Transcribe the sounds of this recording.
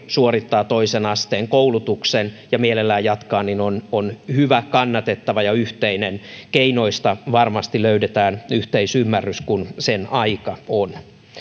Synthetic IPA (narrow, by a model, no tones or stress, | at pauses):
suorit̪ːɑːt̪oisenɑst̪eːŋkoulut̪uksenjɑmielelːæːjjɑt̪kɑːnninononhyʋækɑnːɑt̪et̪ːɑʋɑjɑyht̪einenkeinoist̪ɑʋɑrmɑst̪iløydet̪æːnyht̪eisymːærːyskunsenɑikɑon